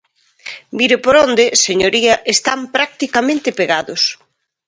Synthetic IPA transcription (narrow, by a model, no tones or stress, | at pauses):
miɾɪpoɾond̪ɪseɲoɾiɐʔest̪ampɾak̚t̪ikamẽnt̪ɪpeɣaðʊs